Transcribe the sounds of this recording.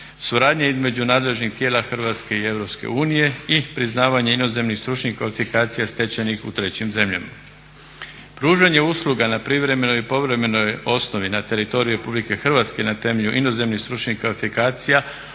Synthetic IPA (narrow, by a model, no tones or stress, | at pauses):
suɾaːd̪ɲaizme̞d͡ʑunaːd̪le̞ʒnixt̪je̞ːlaxr̩ʋat̪ske̞ie̞ʋɾo̞pskḛuːnije̞ipɾiznaːʋaɲe̞ino̞ze̞mnixst̪ɾut͡ʃɲixkʋalifikaːt̪sijast̪e̞t͡ɕenixut̪ɾe̞t͡ɕimze̞mʎa̰ma | pɾuːʒaɲe̞uslˠuɡanapɾiʋɾe̞me̞no̞jipo̞ʋɾe̞me̞no̞jo̞sno̞ʋinat̪e̞ɾit̪o̞ɾiuɾe̞publike̞xr̩ʋat̪ske̞nat̪e̞meʎuʔino̞ze̞mnixst̪ɾut͡ʃɲixkʋalifikaːt̪sija